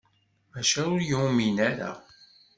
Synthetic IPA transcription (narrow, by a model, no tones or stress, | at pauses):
mæʃæʊɾjuminæɾa̰